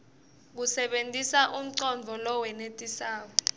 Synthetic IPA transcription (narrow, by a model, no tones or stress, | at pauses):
k̬usɛɓentʼisaʔum̩ǀɔɱvʱɔlɔwɛnetʼisaːk̬ɔ